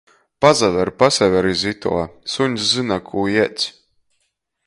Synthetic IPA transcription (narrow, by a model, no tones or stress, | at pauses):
pazavɛɾpasʲɛvʲɛɾizit̪ṵɔsuɲszɨinakʰuːjɛt̪sʲ